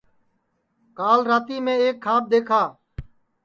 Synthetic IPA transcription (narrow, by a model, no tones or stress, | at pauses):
kaːlɾaːt̪iːmẽːeːkʰːaːb̚d̪eːkʰaː